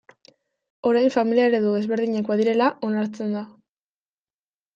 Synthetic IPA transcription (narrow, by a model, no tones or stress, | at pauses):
o̞ɾajɱfamiliaeɾeðuðe̞zβe̞ɾð̞iɲakoaðiɾe̞laʔo̞naɾt͡se̞nd̪a